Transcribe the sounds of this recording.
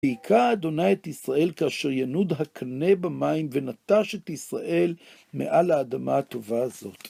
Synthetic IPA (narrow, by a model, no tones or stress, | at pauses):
eikʰaːd̪o̞naetisʁaʔe̞lkaaʃe̞ʁjanud̪ɦakʰanebamaimvenat̪aʃet̪isʁaʔe̞l | mḛʔalaːd̪amat̪o̞vazo̞t̪